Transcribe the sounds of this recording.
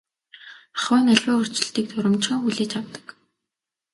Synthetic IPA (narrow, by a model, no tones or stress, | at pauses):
aχʊːnæɮʲwʊːʊr̥t͡ɕɪ̆ɬt̪iːk̚t̪ʰʊɾɪ̆mt͡ɕχə̆ŋxuɮeːt͡ɕʰawt̪ə̥̆k